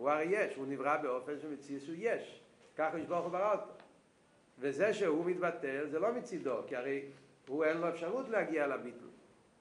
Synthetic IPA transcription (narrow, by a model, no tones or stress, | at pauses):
huaʁeɪjɛʃhunivʁabeɔfɛnʃemɪt͡sisujɛʃ | kaχɔiʃbɔʁχubaʁalt̪ə | vezɛʃehumit̪bat̪ɛlzɛlomɪt͡sidokiaɾeɪ | huɛnlˠɔɛfʃaʁutleaɡiaalabitl̩